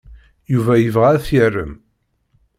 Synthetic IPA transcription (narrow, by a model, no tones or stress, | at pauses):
juvæjəvʁæθərːə̰m